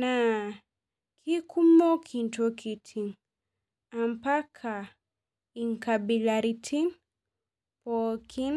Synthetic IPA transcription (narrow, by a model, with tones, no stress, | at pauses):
na | kʰi˦kʰu˦mɔ˦kʰi˨ntɔ˦kʰi˨tʰi˨ŋ | ampa˦kʰa˨ | i˨ŋkabilaɾi˧tʰi˦ŋ | pɔkʰi˦n